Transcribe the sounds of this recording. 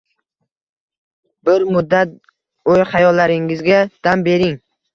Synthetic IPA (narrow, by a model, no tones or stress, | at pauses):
bɪɾmʊd̪ːat̪̚ | ojχɑjɒlːaɾɪŋɪzɡʲad̪̥ambe̞ɾɪŋ